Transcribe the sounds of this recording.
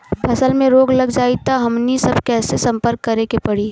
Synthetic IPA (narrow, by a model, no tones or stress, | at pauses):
pʰɐsəlmẽɾoːɡlɐɡd͡ʒaːit̪aɦɐmnisɐbkɛːsesɐ̃mpəɾkːɐɾekepɐɽiː